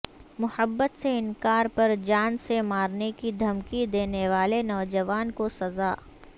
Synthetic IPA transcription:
mʊhəbːət̪seɪnkaːɾpɐɾd͡ʒaːnsemaːɾnekid̪ʱɐmkid̪eːneʋaːlenɔːd͡ʒɐʋaːnkosɐzaː

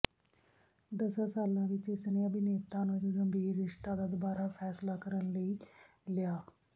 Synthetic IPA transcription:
d̪əsasaːlãːʋɪt͡ʃɪsneːəbɪneːt̪ãːnũːɪt͡ʃɡəmbʱiːɾːɪʂt̪ãːd̪aːd̪əbaːɾaːpʰɛːslaːkəɾənləiː | lɪjaː

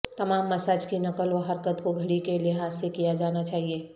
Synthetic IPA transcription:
t̪ɐmaːmːɐsaːd͡ʒkinɐkəlʋɐɦɐɾkət̪koɡʱɐɽikelɪɦaːzːekijad͡ʒaːnat͡ʃaːɦieː

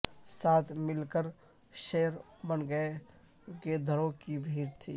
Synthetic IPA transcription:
saːt̪ʰmɪlkəɾ | ʃejəɾ | bənɡəe | ked̪ʱəɾõkibʱiːɾt̪ʰḭː

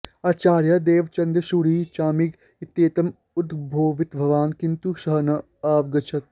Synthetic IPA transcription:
aːt͡ʃaːɾjɐd̪eːʋt͡ʃɐ̃nd̪ɐʃuɽiːt͡ʃaːmiɡ | it̪ːeːt̪ɐm | ʊd̪bʱoːʋɪt̪bʱɐʋaːnkint̪uʃɐɦnɐ | aːʋɡɐt͡ʃʰɐt̪̚

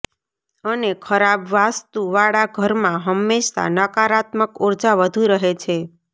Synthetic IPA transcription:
ənekʰəɾabʋast̪uʋaɽaɡʱəɾmãɦəmːeʃt̪a̰nəkaɾat̪məkoɾd͡ʒaʋəd̪ʱuɾəɦet͡ʃʰe

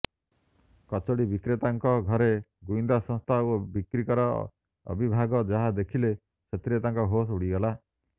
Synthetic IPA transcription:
kɔt͡ʃoɽibikɾet̪aŋkɔɡʱɔɾeɡujnd̪asɔ̃st̪ʰaobikɾikɔɾɔ | ɔ̰bibʱaɡɔd͡ʒaɦad̪ekʰile | sʰet̪ɾet̪aŋkɔɦosuɽiɡɔla

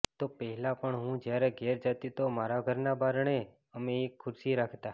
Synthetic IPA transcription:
t̪opəɦɛlapəɳɦũd͡ʒjaɾeɡɛɾd͡ʒat̪it̪omaɾaɡʱəɾnabaɾɳe | əmeːkʰːʊɾsiɾakʰt̪a

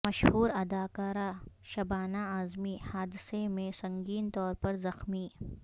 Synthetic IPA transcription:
mɐʃhuːɾɐd̪aːkaːɾaːʃɐbaːnaaːzmihaːd̪ɪsemẽsɐ̃ŋɡiːnt̪ɔːɾpɐɾzɐxmiː

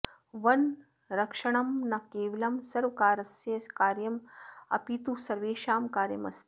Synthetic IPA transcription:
ʋɐn | ɾɐkʂɐɳɐmnɐkeːʋilɐmsɐɾʋɐkaːɾɐsjeskaːɾjɐmɐ̰pit̪usɐɾʋeːʃaːmkaːɾjɐ̰mɐ̰st̪

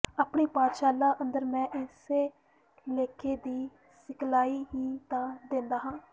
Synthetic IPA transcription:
aːpɳiːpãːt̪ʃaːlaːʔənd̪əɾmɛ̃ːʔɪseː | leːkʰeːd̪iː | sɪkʰlaːiːɦiːt̪ãːd̪ẽːnd̪aːɦãː

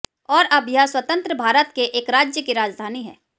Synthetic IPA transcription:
ɔːɾɐbʱjaswət̪ə̃nt̪ɾəbʱaːɾət̪̚keʔeːkɾaːd͡ʒjəkeɾaːd͡ʒd̪ʱaːniɦɛ̰ː

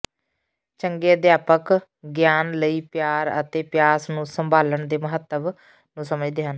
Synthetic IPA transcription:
t͡ʃəŋɡeːəd̪jaːpək | ɡjaːnləiːpjaːɾət̪eːpɪjaːsnũːsəmbʱaːləɳd̪eːməɦət̪ːəb | nũːsəməd͡ʒd̪eːɦən

